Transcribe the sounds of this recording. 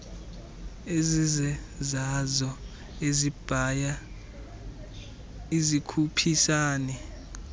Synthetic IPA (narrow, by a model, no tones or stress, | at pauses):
ezizɛzazɔ | ezib̥ʱaja | izikʰupʰisaːnɛ